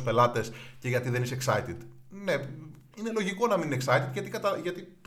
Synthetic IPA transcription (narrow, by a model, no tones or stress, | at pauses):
spe̞lɐt̪e̞sce̞ʝɐt̪iðe̞niseksɐit̪it̪ne̞ | ine̞lo̞ʝiko̞nɐminineksɐit̪it̪ʝɐt̪ikɐt̪ɐʝɐt̪ip